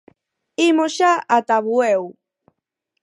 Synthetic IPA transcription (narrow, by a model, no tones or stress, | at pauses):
imoʃaat̪aβwew